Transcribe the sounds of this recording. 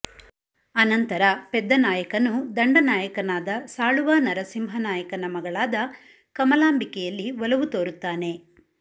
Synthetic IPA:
ɐnɐnt̪ɐɾɐpɛd̪ːɐnaːjɐkɐnːud̪ɐɳɖɐnaːjɐkɐnaːd̪ɐsaːɭuʋaːnɐɾɐsimɦɐnaːjɐkɐnɐmɐɡɐɭaːd̪ɐ | kɐmɐlaːmbikɛjɐlːiʋɔlɐʋut̪oːɾut̪ːaːne̞

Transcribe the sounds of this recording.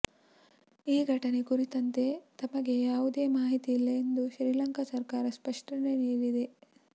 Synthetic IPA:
iːɡʱɐʈɐne̞kuɾit̪ɐnt̪e̞t̪ɐmɐɡe̞jaːʋud̪e̞ːmaːɦit̪iːlːɐend̪uʃɾiːlɐŋkɐsɐɾkaːɾɐspɐʂʈɐneniːɾid̪e̞

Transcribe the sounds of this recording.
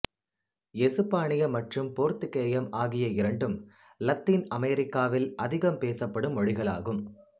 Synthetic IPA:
ɛsɯpːaːɳɪjɐmɐʈrɯmpoːɾt̪ɯkːeːjɐmaːɣɪjɐɪɾɐɳɖɯm | lɐt̪ːiːnɐmeːɾɪkːaːʋɪlɐðɪɣɐmpeːsɐpːɐɽɯmɔɻɪɣɐɭa̰ːɣɯm

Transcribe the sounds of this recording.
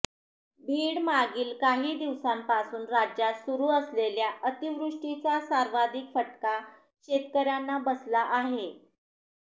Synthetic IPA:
bʱiːɽmaɡiːlkaɦiːd̪iʋsampasuːnɾad͡ʑjat̪suɾuːəsleljaət̪iʋɾuʂʈit͡sasaɾʋad̪ʱikfəʈka | ɕet̪kəɾjanːabəslaʔaɦe

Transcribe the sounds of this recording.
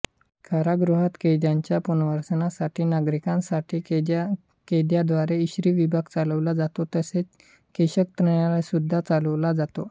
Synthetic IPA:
kʰaɾaɡɾuɦat̪kejd̪jãɲt͡ɕjapunʋəɾsənasaʈʰiːnaɡɾikãnsaʈʰiː | ked̪jad̪ʋaɾeiɕɾiːʋibʱaɡ̚t͡saləʋlad͡zat̪ot̪əset͡s | keɕək̚t̪ɾəɳjalasud̪ʱːat͡saləʋlad͡zat̪o̰

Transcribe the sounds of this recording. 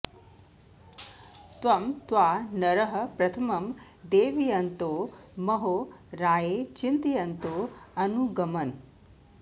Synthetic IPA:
t̪ʋɐmt̪ʋanɐɾəɦəpɾɐt̪ʰɐmɐm | d̪eːʋijɐnt̪omɐɦoɾaːjet͡ʃint̪ijɐnt̪oɐnuɡɐmɐn

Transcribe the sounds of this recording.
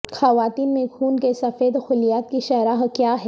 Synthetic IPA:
xɐʋaːt̪iːnmẽkʰuːnkesɐfeːd̪xʊlijaːt̪̚kiʃɐɾaːɦkjaːɦɛ

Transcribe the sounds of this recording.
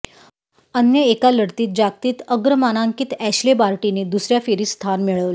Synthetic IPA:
ənjəekaləɽt̪iːt̪̚d͡ʑak̚t̪iːt̪əɡɾəmanaŋkiːt̪æɕlebaɾʈined̪usɾjafeɾiːst̪ʰanmeɭəʋle

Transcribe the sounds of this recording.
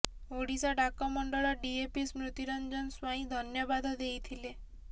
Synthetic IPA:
oɽisaɖakɔmɔɳɖɔɭɔɖiepismɾut̪iɾɔnd͡ʒɔnswaĩd̪ʱɔnjɔbad̪ʱɔd̪ejt̪ʰile

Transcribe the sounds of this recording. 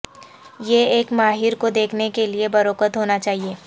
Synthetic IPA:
jeeːkmaːɦɪɾkod̪eːkʰnekeliebɐɾoːkət̪ɦoːnat͡ʃaːɦieː

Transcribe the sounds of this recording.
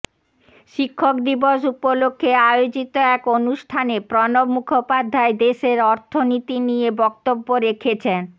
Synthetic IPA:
ʃikʰːokd̪iboʃupolokʰːeajod͡ʑit̪oɛkonuʃʈʰanepɾɔnobmukʰopad̪ʱːaed̪eʃeɾɔɾt̪ʰonit̪inijebɔk̚t̪obːoɾekʰet͡ɕʰen

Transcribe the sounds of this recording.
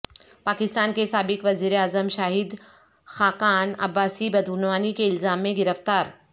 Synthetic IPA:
paːkɪst̪aːnkesaːbɪkʋɐziːɾeaːzəmʃaːɦɪd̪ | xaːkaːnɐ̰bːaːsibɐd̪uːnʋaːnikeɪlzaːmːẽɡɪɾəft̪aːɾ

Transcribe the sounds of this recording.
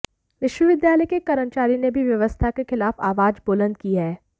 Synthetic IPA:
ʋɪʃʋəʋɪd̪jaːləjkekɐɾənt͡ʃaːɾinebʱiʋjɐʋəst̪ʰakexɪlaːfaːʋaːd͡ʒboːlə̃nd̪̚kiɛː

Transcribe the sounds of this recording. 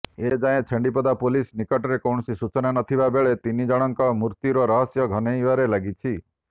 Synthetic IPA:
ed͡ʒajẽt͡ʃʰeɳɖipɔd̪apolisnikɔʈɔɾekɔwɳɔsisut͡ʃɔnanɔt̪ʰibabeɭet̪inid͡ʒɔɽ̃ɔŋkɔmuɾt̪iɾɔɾɔɦɔsjɔɡʱɔnejʋaɾelaɡit͡ʃʰi

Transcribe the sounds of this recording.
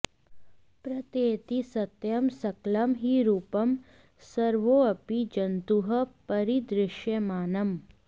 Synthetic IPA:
pɾɐt̪eːt̪isɐt̪jɐmsɐklɐmɦiɾuːpɐm | sɐɾʋoːɐpid͡ʒɐnt̪uɦɐpɐɾid̪ɾɪʃjɐmaːnɐm

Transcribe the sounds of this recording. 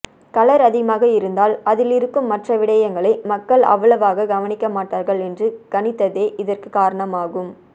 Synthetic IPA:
kɐlɐɾɐðɪmaːɣɐɪɾɯnd̪aːlɐðɪlɪɾɯkːɯmːɐʈrɐʋɪɽɐjɐŋɡɐɭɐɪmɐkːɐɭɐ̰ʋːɐɭɐʋaːɣɐɡɐʋɐnɪkːɐmaːʈːaːɾɣɐɭɛndrɯɡ̥ɐɳɪt̪ːɐðeːʔɪðɐrkɯkaːɾɐɳɐmaːɣɯm

